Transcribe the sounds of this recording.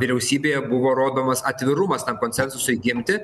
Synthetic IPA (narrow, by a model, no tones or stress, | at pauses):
ʋʲɪɾʲɛʊsʲiːbʲeːjɛbʊʋoːɾoːd̪oːmɐsɐt̪ʲʋʲɪɾʊmɐst̪ɐmkonʲsʲɛnsʊsʊɪɡʲɪmʲt̪ʲɪ